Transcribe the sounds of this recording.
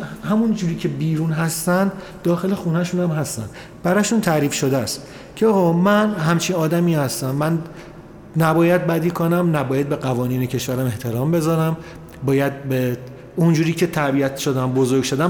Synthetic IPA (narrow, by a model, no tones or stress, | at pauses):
hæmund͡ʒuːɾiːcʰe̞biːɾuːnɦæst̪ænd̪ | d̪ɒːxe̞le̞xuːnæʃunæmɦæst̪æ̰n | b̥æɾɒːʃunt̪ʰæɾiːfʃod̪æst̪ | cʰeɒːɣɒːmænɦæmt͡ʃʰiːnɒːd̪æmiːhæst̪æmmæn | næbɒːjæd̪̚bæd̪iːkʰonæmnæbɒːjæd̪̚be̞ɡævɒːniːnecʰe̞ʃvæɾæme̞ht̪ʰe̞ɾɒːmbe̞zɒːɾæm | bɒːjæd̪̚be | und͡ʒuːɾiːcʰet̪ʰæɾbiːæt̪ʃod̪æmbozoɾɡʲʃo̞d̪æm